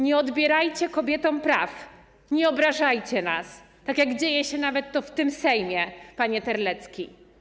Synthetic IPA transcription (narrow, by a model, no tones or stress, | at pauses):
ɲɛɔd̪bʲjɛɾajt͡ɕɛkɔbʲjɛt̪ɔ̃w̃pɾaf | ɲɛɔbɾaʐajt͡ɕɛna̰s | t̪akʲjaɡd͡ʑejɛɕɛnavɛt̪ːɔft̪ɘmsɛjmʲjɛpaɲɛt̪ɛɾlɛt̪skʲi